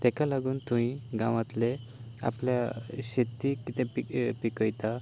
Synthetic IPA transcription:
t̪ɛkalaɡuːnt̪uɦĩɡãʋãt̪le | a̰pljaɕet̪ːikit̪ɛ̃pipikəjt̪a

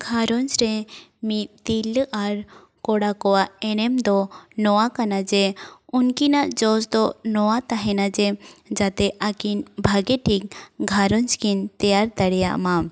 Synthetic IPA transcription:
ɡʱaɾɔnd͡ʒɾɛmit̪̚t̪ilʔaɾ | kɔɽakɔwaʔɛɽ̃ɛmd̪ɔnɔwakanad͡ʒɛunkinaʔd͡ʒɔsd̪ɔnɔwat̪aɦɛnad͡ʒɛd͡ʒat̪ɛʔakinbʱaɡɛʈʰik̚ɡʱaɾɔnt͡ʃkint̪ɛjaɾt̪aɽɛja̰ʔma

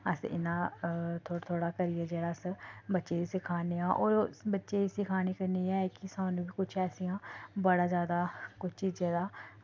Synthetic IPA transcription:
əsɪ̰nãːt̪ʰoːt̪ʰoːɽaːkəɾɪɛːd͡ʒeːɽaːəsbətːʃeːiːsɪkʰaːneːãːʔo̰ːɾbətːʃeːiːsɪkʰaːñiːkəɾniːɛːkɪsãːnũːbiːkʊt͡ʃʰɛːsijãːbəɽaːzjaːd̪aːkʊt͡ʃʰt͡ʃiːzẽːd̪aː

